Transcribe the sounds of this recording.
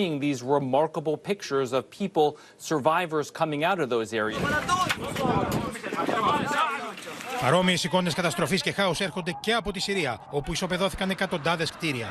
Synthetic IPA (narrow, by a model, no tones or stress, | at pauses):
ɪ̃ŋðizɹɪmɑɹkəbl̩ˠpʰɪk̚t͡ʃə˞zʌv̥pʰipl̩ˠ | sə˞vaɪvə˞z̥kʰʌmɪ̃ŋaʊɾʌvðoʊzɛɹiɨz | pɐɾo̞miesiko̞neskɐt̪ɐst̪ɾo̞fisce̞xɐuse̞ɾxo̞nd̪e̞ce̞ɐpo̞t̪isiɾiɐo̞puiso̞pe̞ðo̞θi̥kɐne̞kɐt̪o̞nd̪ɐðe̞skt̪iɾiɐ̰